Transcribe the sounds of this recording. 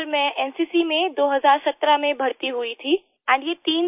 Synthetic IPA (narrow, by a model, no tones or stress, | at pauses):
ɾmẽɛːnsiːsimẽd̪oːɦɐzaːɾsɐt̪ɾamẽbʱɐɽt̪iɦʊit̪ʰiː | ɛ̃ːnɖjet̪iːn